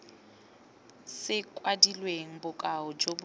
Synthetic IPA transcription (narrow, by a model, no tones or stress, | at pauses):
sɪkʼwadilweŋ̩bʊkʼaʊd͡ʒob